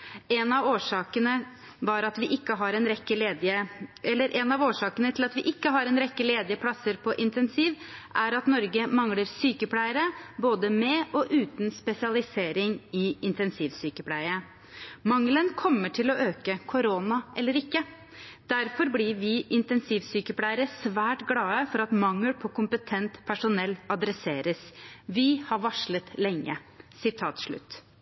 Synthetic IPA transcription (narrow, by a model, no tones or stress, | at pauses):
ɛnɑʋoːʂɑːkənə | ʋɑɾɑt̪ʋɪʔɪkːəɦɑɾɛnɾɛkːəleːd̪ɪəɛlːəɾʔɛnɑʋoːʂɑːkənət̪ʰɪlɑt̪ʋɪʔɪkːəɦɑɾɛnɾɛkːəleːd̪ɪəpʰlɑsːəɾpʰɔʔɪnt̪ʰɛnsiːʋʔæɾɑt̪nɔɾɡəmɑŋləɾsyːkəpʰlæɪəɾəboːd̪əmɛʔɔʔʉːt̪nspɛsɪɑlɪseːɾɪŋɪɪnt̪ɛnsiːʋsyːkəpʰlæɪəə | mɑŋlənkʰɔmːəʈʰɪlɔʔøːkəkʰʊɾoːnɑʔɛlːəɾɪkːə | d̪̥æɾfɔɾblɪʋɪʔɪnt̪ɛnsiːʋsyːkəpʰlæɪəɾəsʋæːʈɡlɑːəfɔɾɑt̪mɑŋːəlpʰɔkʊmpət̪ʰɛnt̪pʰæʂʊnɛlːɑd̪ɾɛseːɾəsʋɪhɑɾʋɑʂɭət̪lɛŋːə̰ | sɪt̪ʰɑːt̪ʂɭʉ̰t̪ː